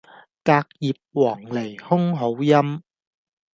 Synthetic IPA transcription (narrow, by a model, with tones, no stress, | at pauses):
kaː˧k̚jiː˨p̚wɔː˨˩ŋle˨˩jhʊ˥ŋɦo˨˥wjɐ˥m